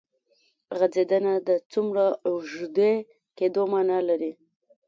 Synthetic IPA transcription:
ɣad͡zed̪ənad̪ət͡sumɾaʒd̪e | ked̪omanalaɾi

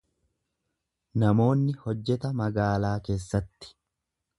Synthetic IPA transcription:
nɐmo̞ːnːɪhɔd͡ʒːɛt̪ɐmɐɡaːlaːke̞ːsːɐt̪ːɪ̥

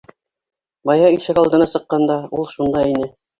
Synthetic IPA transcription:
bɑjɑiʃɘkɑlˠd̪ɤ̆nɑsɤ̆qːɑnd̪ɑulˠʃund̪ɑinɘ

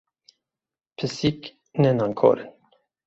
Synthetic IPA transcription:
pʰəsik | nɛnaŋkʰo̰ɾn

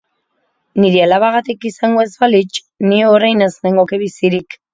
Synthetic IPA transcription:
niɾialaβaɣat̪ikisaŋɡoe̞zβalit͡ʃ | nieoɾajnezneŋɡo̞keβisiɾik

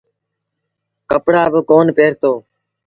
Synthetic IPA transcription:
kəpɽaːbəkoːnpeːɾt̪oː

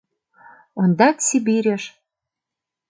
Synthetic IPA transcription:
ond̪ɑk̪sibiɾʲeʃ

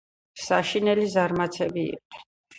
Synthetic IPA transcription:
saʃinɛlizaɾmat̪sʰɛbiḭqʼnɛn

